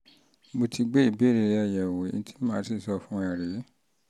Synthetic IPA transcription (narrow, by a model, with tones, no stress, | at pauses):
mo˧tʰi˧ɡ͡be˦i˦˨be˨˦˨ɾe˧ɾa˨ja˨wo˨ḭ˨˧n˦ti̥˦mãː˧˦ti˦˨sɔ˧fũ˦a˦˨ɾe˨˦